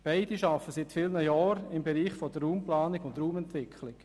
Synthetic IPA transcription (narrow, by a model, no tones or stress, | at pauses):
b̥aɪd̥iʃɑfəsɪt̪fɪlnəjɑːɾɪmbeɾiːχfɔd̥̪ərɾuːmplaːnɪɡʊnt̪ɾuːmɛnt̪ʋɪkʰlɪk